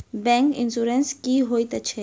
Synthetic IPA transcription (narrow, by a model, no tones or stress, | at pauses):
bɛ̃ŋkɪ̰̃nsuɾɛnskiɦoːit̪ɐt͡ʃʰɛ